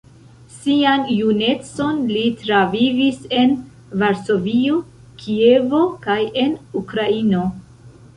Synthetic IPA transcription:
sianjune̞t͡so̞nlitɾavivise̞n | vaɾso̞vio̞ | kʰie̞vo̞kaje̞nukɾaino̞

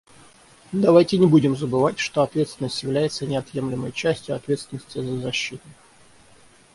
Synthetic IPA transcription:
d̪ɐvajtʲɪnʲɪbudʲɪmzəbɨvatʲʂt̪o̞ɐt̪vʲet̪st̪ʲɪnːəsʲtʲjɪvlʲæjɪt̪sənʲɪɐt̪je̞mlʲɪmə̰jt͡ɕæsʲtʲjʊɐt̪vʲet̪st̪ʲɪnəsʲtʲɪzəzɐɕːit̪ʊ

